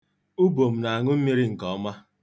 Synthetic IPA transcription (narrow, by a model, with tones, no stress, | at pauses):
u˦bo˨m̩˨na˨a˨ŋʊ˦m̩˦mi˦ɾi˦ŋ̩˨kɔ˨˦ma˦